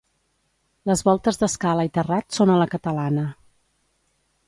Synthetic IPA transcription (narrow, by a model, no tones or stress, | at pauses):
ləzβɔlˠt̪əzðəskaləit̪ərat̪sonələkət̪əlanə